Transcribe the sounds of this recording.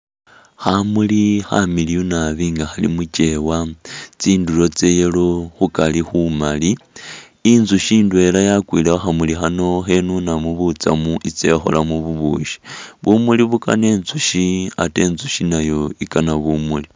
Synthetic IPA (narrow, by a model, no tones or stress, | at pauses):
xamulixa̰milijunaβiːŋɡaxalḭmut͡ʃe̞wat͡siːndulo̞t͡sejeloxukalixumaliː | nzuʃiːndwe̞lajakwiːleoxamulixano̞xe̞nunamuβut͡sa̰muʔit͡se̞xo̞̰lamuβuβṵːʃi̥βumuliβuka̰ne̞ːnzuʃia̰te̞ːnzuʃinajo̞ikanaβumuli